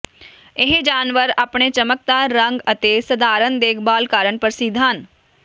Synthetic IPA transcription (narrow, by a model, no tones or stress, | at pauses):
ɪɦd͡ʒaːnʋəɾəpɳ̃et͡ʃɐmək̚t̪aːɾɐ̃ŋɡɐt̪esɐd̪ʱaːɾənd̪eːkʰbaːlkaːɾəɳpəɾsid̪ʱaːn